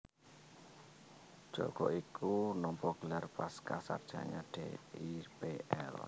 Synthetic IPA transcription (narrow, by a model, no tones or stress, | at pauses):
ʒ̥ɔ̰ɡ̥ɔʔikʰunɔmpɔɡ̥əlarpaskasa̰rd̥ʒ̥a̰ɲaɖ̥ḛipeʔɛ̰l